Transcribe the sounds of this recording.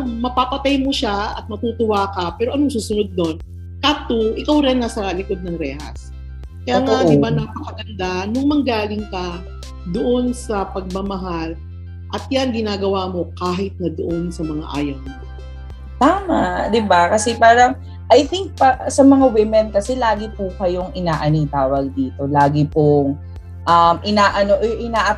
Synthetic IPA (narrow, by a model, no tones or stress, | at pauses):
ŋmɐpapɐt̪ajmoʃaɐ̰t̪̚mɐt̪uːt̪ʊwaːkɐpɛːɾoʔɐnoŋsuːsʊnod̪̚ːo̞n | kaːt̪uʔɪkawɾɛnːɐsɐlɪko̞d̪̚nɐŋɾɛːhɐ̰s | kɐjaŋad̪ɪbanɐpɐkɐɡɐnd̪anʊŋmɐŋɡaːlɪŋkɐ | d̪oʔo̞nsɐpɐɡ̚mɐmɐɦal | ʔɐt̪̚janɡɪnaːɡɐwaːmo̞kaːɦɪt̪̚nɐd̪oʔonsɐmɐŋa̰ʔa̰ːjɐŋnɪ | t̪aːmaʔd̪ɪbakɐsɛpaːɾɐŋ | ʔɐjθɪŋk̚pɐʔsɐmɐŋawɪmɛnd̪̚kɐsɛlaːɡɪpukɐjo̞ŋʔɪnaːʔɐniŋt̪aːwɐɡ̚d̪iːt̪o̞laːɡɪpoŋ | ʔɐmʔɪnaːʔɐnoʔʔɪnaːʔɐ